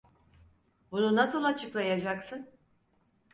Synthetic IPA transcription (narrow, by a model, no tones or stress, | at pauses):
bununasɯlˠat͡ʃʰɯklˠajad͡ʒaksɯn